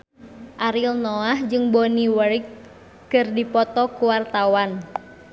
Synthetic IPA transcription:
ʔaɾilnɔahd͡ʒɨŋbɔniwərk | kɨrdipɔt̪ɔkuwart̪awan

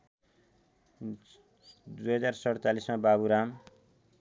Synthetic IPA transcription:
d̪ujɦʌd͡zarsʌɽt͡salismababuɾam

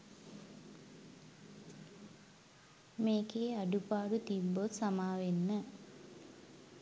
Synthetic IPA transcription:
meːkeːaɖupaːɾut̪ibːot̪samaːʋenːə

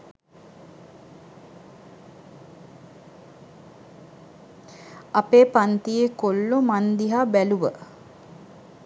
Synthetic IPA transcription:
apeːpant̪ijekolːomand̪iɦaːbæluʋə̰

